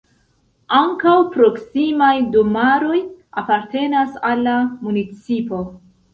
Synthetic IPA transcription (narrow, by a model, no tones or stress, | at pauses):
aŋkawpɾo̞ksimajdomaɾo̞ja̰paɾte̞nasalːamunit͡sipo̞